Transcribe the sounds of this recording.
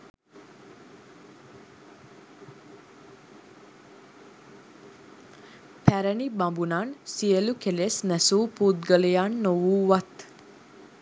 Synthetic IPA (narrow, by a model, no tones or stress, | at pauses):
pʰæɾənibambunansiəlukelesnæsuːpuːd̪̚ɡələjanːoʋuːʋat̪